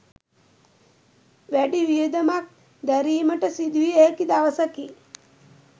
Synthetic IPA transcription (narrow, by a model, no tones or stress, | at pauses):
ʋæɖiʋijed̪əmak̚ | d̪æɾiːməʈəsid̪ʋijəɦekid̪aʋəsəki